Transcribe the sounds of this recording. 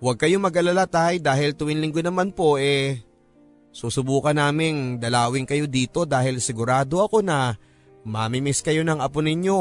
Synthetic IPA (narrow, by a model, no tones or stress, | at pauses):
wɐɡ̚kɐjo̞mɐɡɐlɐlat̪ajd̪aːɦɪlt̪ʊwɪnlɪŋɡonɐmanpo̞ʔɛ | susʊbuːkɐnaːmɪŋd̪ɐlaːwɪŋkɐjo̞d̪iːt̪o̞d̪aːhɪlsɪɡʊɾaːd̪o̞ɐko̞nɐ | mamɪmɪskɐjo̞nɐŋʔɐpʊnɪɲjo̞